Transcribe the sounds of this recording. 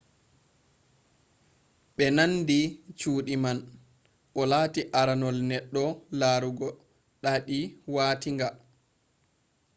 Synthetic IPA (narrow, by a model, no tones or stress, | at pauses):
ɓɛnanːdit͡ʃuːɗiman | ʔɔlaːtiʔaɾanɔlnɛɗːɔlaːɾuɡɔ | ɗaɗiwaːtiŋɡa